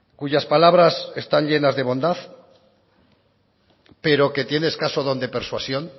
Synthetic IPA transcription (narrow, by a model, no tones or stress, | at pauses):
kuʝaspalaβ̞ɾase̞st̪aɲʎe̞nazðe̞β̞o̞nd̪aθ | pe̞ɾo̞ke̞t̪je̞ne̞skasoðo̞nd̪epe̞ɾswasjo̞n